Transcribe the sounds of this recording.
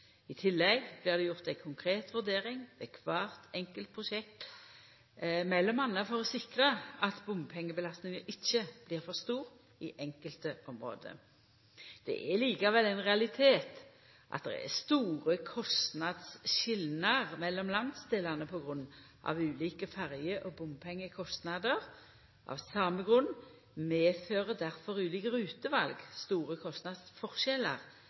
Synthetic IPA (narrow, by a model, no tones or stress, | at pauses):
ɪt̪ʰɪlːɛɡb̥lɪːʁd̪ɛjʊʁt̪æɪkʰʊŋkʰʁeːt̪ʋʉʁd̪eːʁɪŋʋɛkʰʋɑːʁt̪ɛŋkəlt̪̚pʰʁʊʃɛk̚t̪ | mɛlːɔmɑnːəfɔʁɔsɪkʁəɑt̪bʊmpʰɛŋːəbəlɑst̪nɪŋəʔɪçːəb̥liːʁfɔʁst̪uːʁ | iʔɛŋkəlt̪əʔɔmʁo̰ːd̪ə̰ | d̪̥ɛ̰ʔɛliːkɑʋɛlːæɪnʁɛɑlɪt̪ʰeːt̪ | ʔɑ̰t̪̚d̪ɛ̰ʁɛ̰st̪uːʁəkʰɔst̪nɑd̪sʃɪlnɑʁmɛlːɔmlɑnd̪sd̪eːlɑnəpʰɔɡʁʉnː | ʔɑ̰ʋʉːliːkəfæʁjəʔɔbʊmpʰɛŋːəkʰɔst̪nɑd̪əʁ | ʔɑ̰ʋsɑːməɡʁʉn | meːføːʁəd̪æʁfɔʁʉːliːkəʁʉːt̪əʋɑlɡst̪uːʁəkʰɔst̪nɑd̪sfɔʁʃɛlɑʁ